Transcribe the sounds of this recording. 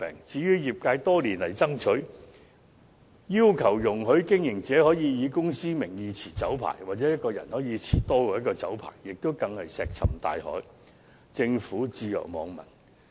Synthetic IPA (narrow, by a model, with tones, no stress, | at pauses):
pɛ̰ː˨˩ŋt͡siː˨˥jyː˥jiː˨p̚kaː˧jt̪ɔː˥liː˨˩nlɐ˨˩jt͡sɐ˥ŋt͡ʃʰɵ˨˥ɥ | jiː˥wkʰɐ˨˩wjʊ˨˩ŋɦɵ˨˥ɥkɪ˥ŋjɪ˨˩ŋt͡sɛː˨˥hɔː˨˥jiː˧jiː˨˧kʊ˥ŋsiː˥mɪ˨˩ŋjiː˨˧t͡sʰiː˨˩t͡sɐ˨˥wpʰa̰ː˨˩jwaː˨t̚t͡sɛː˨˥jt̚kɔː˧jɐ˨˩nhɔː˨˥jiː˨˧t͡sʰiː˨˩t̪ɔː˥kɔː˧jɐ˥tkɔː˧t͡sɐ̰˨˥wpʰa̰ː˨˩jːɪ˨k̚t̪o˥wkɐ˧ŋhɐ˨jsɛː˨k̚t͡sʰɐ˨˩mt̪a̰ː˨˧jhɔ̰ː˨˥j | t͡sɪ˧ŋfuː˨˥t͡siː˧jœ̰ː˨˩k̚mɔː˨˧ŋmɐ̰˨˩n